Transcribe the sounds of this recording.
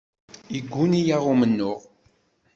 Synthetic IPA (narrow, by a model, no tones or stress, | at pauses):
iɡʷːunijaʁʊmənːʊʁ